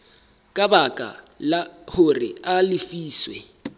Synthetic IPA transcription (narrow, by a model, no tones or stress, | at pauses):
kʼabakʼa̰ | lahʊrɪ̰alɪfiːswɛ